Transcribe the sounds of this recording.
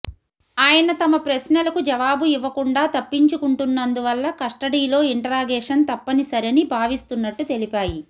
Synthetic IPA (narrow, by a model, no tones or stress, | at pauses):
aːjɐnɐt̪ɐmɐpɾɐsnɐlɐkud͡ʒɐʋaːbuiʋːɐkuɳɖaːt̪ɐpːiɲt͡ʃukuɳʈunːɐnd̪uʋɐlːɐkɐʂʈɐɽiːlo̞ːiɳʈɐɾaːɡɛːʂɐnt̪ɐpːɐnisɐɾenibʱaːʋist̪unːɐʈːut̪e̞lipaːji